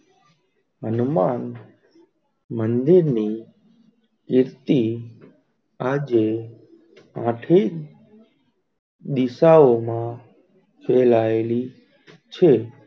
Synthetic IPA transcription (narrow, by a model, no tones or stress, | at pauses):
ɦənman | mənd̪iɾni | kɪɾt̪i | ad͡ʒe | ãʈʰi | d̪isaomã | fʰelaeli | t͡ʃʰe